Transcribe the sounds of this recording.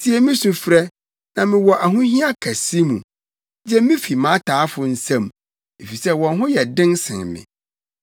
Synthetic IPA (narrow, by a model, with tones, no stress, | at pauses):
tʰi˦ɛ˦mɪ̃˦sũ˨fɾɛ˦ | nã˨mɪ̃˨wɔ˨ʔa˨ɦʊ̃˦hĩ˦a˦kʰæ˨si˦mũ˨ | d͡ʑɛ˦mɪ̃˦fi˨mã˨˦tʰaː˨˦fʊ˨n̩˦sã˦˨m | e˨fi˨sɛ˦wɔ̃˨nɦʊ̃˦jɛ˨dɪ̃˦nsɪ̰̃˨mɪ̰̃˨